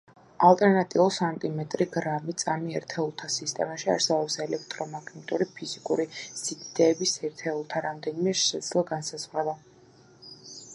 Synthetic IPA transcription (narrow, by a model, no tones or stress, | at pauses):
alˠt̪ʼɛɾnat̪ʼiɔsant̪ʼimɛt̪ʼɾiɡɾamit̪sʼamiɛɾt̪ʰɛulˠt̪ʰasist̪ʼɛ̰maʃia̰ɾsɛbɔpsɛlɛk̚ʰt̪ʼɾɔmaɡʰnɛt̪ʼuɾipʰizikʼuɾisid̪ʰid̪̥ɛːbisɛɾt̪ʰɛulˠt̪ʰaɾamd̪ɛnimɛɛɾʃɛd̪zlˠaɡansazʁɾɛba